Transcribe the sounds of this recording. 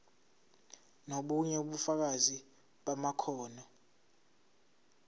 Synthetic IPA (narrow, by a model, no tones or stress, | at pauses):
noɓuɲɛuɓufak̬azi | ɓamakʰɔːna